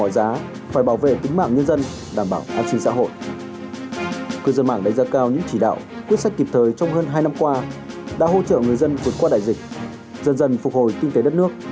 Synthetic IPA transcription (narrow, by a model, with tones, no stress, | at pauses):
ɔ˧˩jzaː˨˦ | faː˧˩jɓaː˧˩wvḛ˧˨t̪i˨˦ŋ̟ma̰ː˧˨ŋɲə˧nzə˧n | ɗaː˧˩mɓaː˧˩wʔaː˧n̚sï˧ŋ̟sa̰˧˥ɦo̰˧˨jʔ | kɨ˧zə˧nma̰ː˧˨ŋɗa˧˩ŋzaː˨˦kaː˧wɲɨ̰˧˥ŋt͡ɕi˧˩ɗa̰ː˧˨wkwi˦˥ət̚sa˦˥jk̚ki˨˩p̚t̪ʰəː˨˩jt͡ɕɔ˧wŋ͡mɦəː˧nɦaː˧jna˧mkwaː˧ | ɗa̰ː˧˥ɦo˧t͡ɕə̰ː˧˨ŋɨ˨˩əjzə˧nvu˨˩ət̚kwaː˧ɗa̰ː˧˨jzï˨˩k̟̚ | zə˧nzə˧nfʊ˨˩k̚ho˨˩jk̪ï˧ŋt̪e˨˦ɗə˦˥t̚nɨ˦˥ək̚